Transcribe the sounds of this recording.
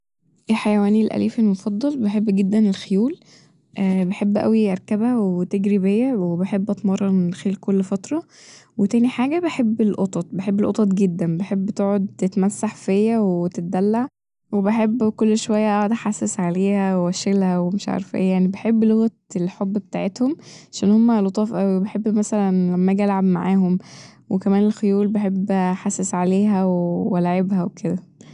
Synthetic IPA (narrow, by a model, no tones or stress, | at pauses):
ʔelħajæwæːnilʔæ̰lʔiːfelmofɑd̪ˤːɑlbeħebːɡed̪ːænelxejuːl | ʔbeħebːʔæ̰wiʔɑɾˤkæbhæwet̪eɡɾibejːæwebeħebːʔɑt̪mɑrˤːɑˤmenxeːlkolːfɑt̪ɾˤɑ | wet̪æːniħaːɡæbeħebːelʔot̪ˤɑt̪̚ˤbeħebːelʔot̪ˤɑt̪ˤɡed̪ːænbeħebːt̪eʕod̪̚t̪et̪mæsːaħfejːæweet̪et̪̚d̪ælːaʕ | webeħebːkolːʃowæjːæʔæʕd̪æħasːesʕaleːhæwewæʃelhæwemeʃʕɑ̰ɾˤfʔḛːjjaʕnibeħebːloɣæt̪elħobːbet̪aːʕet̪homʕaʃæːnhomːælot̪ˤɑːfʔæwibeħebːmæsælænlæmːæɡælʕabma̰ʕaːɦomwekæmæːnelxojuːlbeħebːħasːesʕaleːɦæwewælaʕebhæwekʰed̪æ